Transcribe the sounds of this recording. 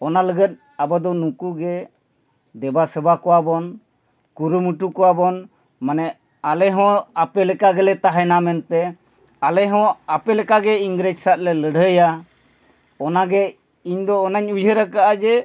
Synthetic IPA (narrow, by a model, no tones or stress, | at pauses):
ɔnaləɡət̪̚ | abad̪ɔnukuɡɛ | d̪ɛbasəbakɔwabɔn | kuɾumuʈukɔwabɔn | manɛ | alɛɦɔ̃apɛlɛkaɡɛlɛt̪aɦɛnamɛnt̪ɛ | alɛɦɔ̃apɛlɛkaɡɛiŋɡɾed͡ʒsat̪̚lɛləɽ̤ʱəja | ɔnaɡɛ | iɲd̪ɔːnaɲud͡ʒʱəɾakaʔad͡ʒɛ